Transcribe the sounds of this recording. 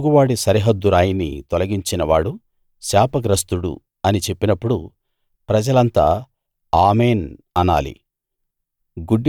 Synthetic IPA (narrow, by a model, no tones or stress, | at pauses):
ɡuʋaːɽisɐɾiɦɐd̪ːuɾaːjinḭt̪ɔlɐɡiɲt͡ʃinɐʋaːɽu | ʃaːpɐɡɾɐst̪uɽṵ | ɐnit͡ʃe̞pːinɐpːuɽu | pɾɐd͡ʒɐlɐnt̪a̰ː | aːmeːnɐna̰ːlḭ | ɡuɖːi